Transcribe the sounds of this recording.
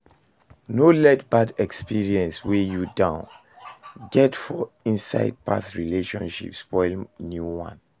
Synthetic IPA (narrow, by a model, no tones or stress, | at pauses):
nolɛtbadɛkspiɹiɛ̃nswejudãʊ̃n | ɡɛtfɔ | ĩnsa̰ɪd̚pa̰sɹileʃɔ̃nʃḭpspɔɪlnjuwã̰n